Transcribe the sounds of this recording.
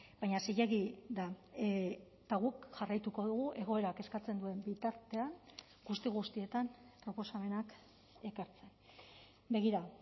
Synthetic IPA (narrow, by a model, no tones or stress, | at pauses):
b̥ajɲasejaɣiða | t̪aɣukʝarajt̪uko̞ðuɣ̞uʔe̞ɣ̞o̞e̞ɾake̞skat͡se̞nd̪ue̞mbit̪aɾt̪e̞aŋ | ɡust̪iɣ̞ust̪ie̞t̪ampɾo̞po̞same̞nak | e̞kaɾt͡se̞n | be̞ɣ̞iɾa